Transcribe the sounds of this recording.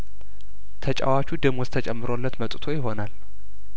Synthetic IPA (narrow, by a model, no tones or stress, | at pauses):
t̪ʰət͡ʃʼa̰wat͡ʃʰud̪ɨmɔst̪ʰət͡ʃʼɛmːɨɾolːət̪mət̪ʼt̪ʰo̞jɪɦo̞nal